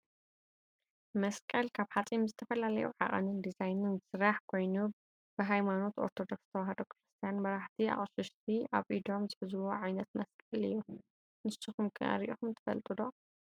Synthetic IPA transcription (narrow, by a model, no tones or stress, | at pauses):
mɐskʼɐlkʰaβħat͡sʼimzɨt̪ʰɐfɐlalɐ̰jṵʕa̰χʼɐ̰nɨnd̪izajnɨnɨsɨɾaħkʰo̞jnu | b̥ɨɦajmano̞t̪o̞̰ɾt̪ʰo̞d̪o̞ksɨ̥t̪ʰɐwaɦɐd̪o̞kɨɾɨst̪ʰijanmɐɾaħt̪ʰia̰χʼʃɨʃt̪ʰiʔaβʔid̪omzɨħɨzɨwoʕajnɐt̪mɐskʼɐlɨ̰jːu | nɨsɨxumkʰɨʔɐ̰ɾiʔoxumt̪ʰɨ̥fɐ̰lt̪ʼɨd̪o̞